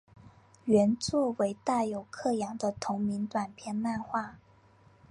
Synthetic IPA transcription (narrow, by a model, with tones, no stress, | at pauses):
ɥɛ˧˥nt͡swɔ˥˩we˧˥ɪt̪a˥˩jo˨˩ʊkʰɤ˥˩jɑ˨˩ŋd̪ə˦t̪ʰʊ˧˥ŋmi˧˥nt̪wa˨˩npʰjɛ˥˧nla˥˧nxwa˥˩